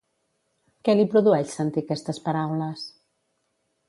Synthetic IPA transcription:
kɛlipɾuðuɛʃsənt̪ikɛst̪əspəɾawləs

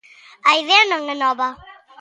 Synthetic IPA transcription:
ajðenəŋənɔba

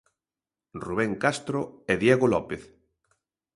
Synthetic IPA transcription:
ruβ̞ɛŋkast̪ɾoeðjeɣolɔpeθ

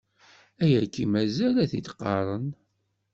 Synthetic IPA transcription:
æjækːimæzælæθit̪qːɑɾˤən

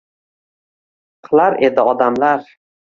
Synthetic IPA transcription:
qʰɨlˠaɾe̞d̪ɪɒd̪amlaɾ

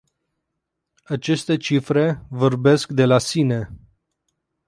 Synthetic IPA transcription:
at͡ʃe̞st̪e̞t͡ʃifɾe̞vo̞rbe̞skd̪e̞lasine̞

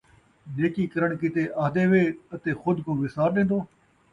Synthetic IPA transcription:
neːkiːkəɾəɳkɪt̪eːʔaːd̪eːʋeːət̪eːxʊd̪kõːʋɪsaːɾɗẽːnd̪oː

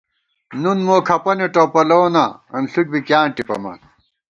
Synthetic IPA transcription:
nunmoːkʰɐpɐneʈoːpɐloːnɐɐnɬuʈ̚bikjaːnʈipɐ̰mɐ̰n

